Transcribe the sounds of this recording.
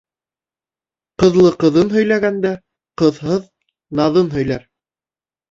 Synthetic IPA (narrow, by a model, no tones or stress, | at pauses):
qɤ̆ðlˠɤqɤ̆ðɤnɦɵ̆jlæɡænd̪æ | qɤ̆ðɦɤð | nɑðɤnɦɵ̆jlæɾ